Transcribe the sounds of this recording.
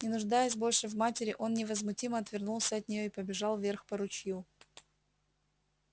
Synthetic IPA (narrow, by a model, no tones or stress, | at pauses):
nʲɪnʊʐd̪ajəsʲbo̞lʲʂɨvmatʲɪɾʲɪʔo̞nnʲɪvəzmʊtʲiməɐt̪vʲɪrnulˠsʲəɐt̪nʲɪjo̞ɪpəbʲɪʐɑlˠvʲe̞rxpəɾʊt͡ɕju